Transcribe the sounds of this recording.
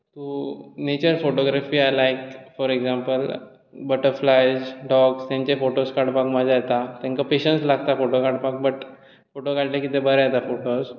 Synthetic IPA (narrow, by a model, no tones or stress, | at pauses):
t̪unet͡ɕəɾfoʈɔɡɾafiːajlajkfɔɾeɡzampəl | bəʈəɾflajd͡ʑɖɔɡst̪jãɲt͡ɕefoʈoskaɽpakmad͡zʱajet̪at̪ãŋkapeɕənslaɡ̚t̪afoʈokaʈpak̚bəʈ | foʈokaɽʈekit̪ẽbəɾjet̪afoʈos